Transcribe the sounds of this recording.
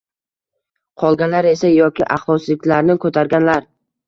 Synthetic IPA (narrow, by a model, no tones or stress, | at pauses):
qʰɒlˠɡʲanlaɾe̞sajɒkʲɪʔa̰χlˠɒslɪkʲlaɾnɪkʰɵt̪ʰaɾɡʲanlaɾ